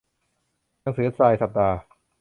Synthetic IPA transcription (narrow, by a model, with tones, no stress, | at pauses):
na˧˥ŋsɯː˩˦˥saː˧jsa˨˩p̚t̪aː˧